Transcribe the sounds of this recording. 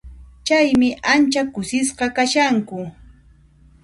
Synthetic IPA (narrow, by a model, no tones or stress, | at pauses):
t͡ʃajmɪʔant͡ʃakʊsɪsqɑkaʃaŋkʊ